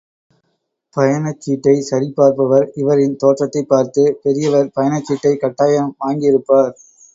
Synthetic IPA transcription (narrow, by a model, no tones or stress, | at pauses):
pɐjɐnɐt͡ʃːiːʈːɐɪsɐɾɪpːaːɾpɐʋɐɾɪʋɐɾɪnt̪oːʈrɐt̪ːɐɪpːaːɾt̪ɯpɛɾɪjɐʋɐɾpɐjɐnɐt͡ʃːiːʈːɐɪkɐʈːaːjɐmʋaːŋɡɪɪɾɯpːaːɾ